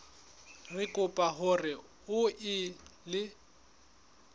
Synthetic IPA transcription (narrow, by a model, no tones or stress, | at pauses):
rɪkʼʊpʼaɦʊrɪ | ʊɪlɪ